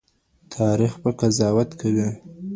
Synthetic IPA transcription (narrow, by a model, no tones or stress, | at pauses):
t̪ʰɑɾixbəkazɑwat̪kʰawi